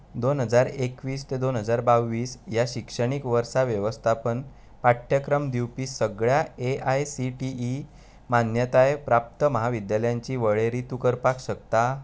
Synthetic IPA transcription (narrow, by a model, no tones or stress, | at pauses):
d̪onɦəd͡zaɾekʋiːst̪ed̪onɦəd͡zaɾbawʋiːsjaɕikʂəɽ̃ikʋəɾsaʋjəʋəst̪ʰapən | paʈʰjəkɾəmd̪iwpiːsəɡɭjaeajsiʈii | manjət̪ajpɾap̚t̪əməɦaʋid̪jaljãɲt͡ɕiːʋəɭeɾiːt̪ukəɾpakɕək̚t̪a